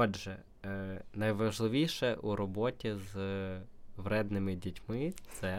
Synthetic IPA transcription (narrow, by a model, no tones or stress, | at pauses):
ɔdʒɛ | nɐjʋɐʒlˠɪʋʲijʃɛʔuɾɔbɔtʲiz | ʋɾɛd̪nɪmɪdʲitʲmɪtt̪sɛ